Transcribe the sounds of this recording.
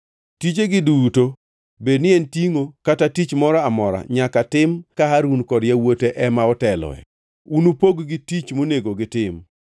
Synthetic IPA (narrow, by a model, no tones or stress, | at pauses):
tit͡ʃeɡɪduto | bednɪɛntiŋokatatit͡ʃmɔɾɔamɔɾa̰ɲakatɪmkaɦaɾunkɔdjawoteʔɛmaɔtɛlɔ̰ɛ̰ | unupoɡɡɪtit͡ʃmoneɡoɡɪtɪm